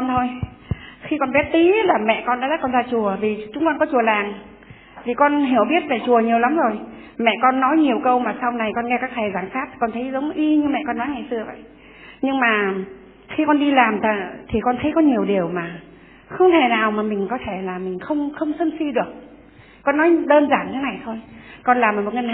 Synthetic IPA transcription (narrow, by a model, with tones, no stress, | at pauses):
ɔ˧nt̪ʰo˧j | xi˧kɔ˧nɓɛ˦˥t̚t̪i˨˦laː˨˩mɛ̰˧˨kɔ˧nɗa̰ː˧˥zə˦˥kɔ˧nzaː˧t͡ɕu˨˩əvi˨˩t͡ɕʊ˨˦ŋ͡mkɔ˧nkɔ˨˦t͡ɕu˨˩əlaː˨˩ŋ | vi˨˩kɔ˧nɦi˧˩əwɓi˦˥ət̚va˨˩t͡ɕu˨˩əɲi˨˩əwla˨˦mzo˨˩j | mɛ̰˧˨kɔ˧nːɔ˨˦jɲi˨˩əwkə˧wmaː˨˩sa˧wna˨˩jkɔ˧nŋɛ˧kaː˦˥k̚t̪ʰɛ˨˩zaː˧˩ŋsaː˦˥t̪̚ʰi̥˨˩kɔ˧nt̪ʰə˨˦jzə˨˦wŋ͡mʔi˧ɲɨ˧mɛ̰˧˨ʔkɔ˧nːɔ˨˦jŋa˨˩jsɨ˧əvə̰˧˨jʔ | ɲɨ˧ŋmaː˨˩ | xi˧kɔ˧nɗi˧laː˨˩mt̪ʰə˨˩t̪ʰi˨˩kɔ˧nt̪ʰə˨˦jkɔ˨˦ɲi˨˩əwɗi˨˩əwmaː˨˩ | xə˧wŋ͡mt̪ʰe˧˩naː˨˩wmaː˨˩mï˨˩ŋ̟kɔ˨˦t̪ʰe˧˩laː˨˩mï˨˩ŋ̟xə˧wŋ͡mxə˧wŋ͡msə˧nsi˧ɗɨ˨˩ək̚ | kɔ˧nːɔ˨˦jɗəː˧nzaː˧˩nt̪ʰːna˨˩jt̪ʰo˧jkɔ˧nlaː˨˩m˨˩mo˨˩ŋə˧n˧